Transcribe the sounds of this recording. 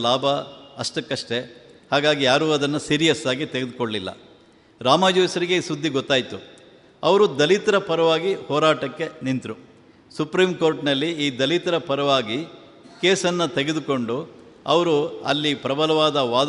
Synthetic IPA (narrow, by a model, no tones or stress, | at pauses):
laːbʱɐɐʂʈɐkːɐʂʈe̞haːɡaːɡijaːɾuːɐd̪ɐnːɐsiːɾijɐsaːɡit̪eɡed̪ukoɭlilːɐ̰ | ɾaːmaːd͡ʒoːjsɐɾiɡe̞isud̪ʱːiɡɔt̪ːaːjit̪u | ɐʋɐɾud̪ɐlit̪ɐɾɐpɐɾɐʋaːɡihɔːɾaːʈɐkːe̞nint̪ɾu | supɾiːmko̞ːɾʈnɐlːiiːd̪ɐlit̪ɐɾɐpɐɾɐʋaːɡi | keːsɐnːɐt̪eɡe̞d̪uko̞ɳɖu | ɐ̰ʋɐɾuɐ̰lːipɾɐbʱɐlɐʋaːd̪ɐʋaːd̪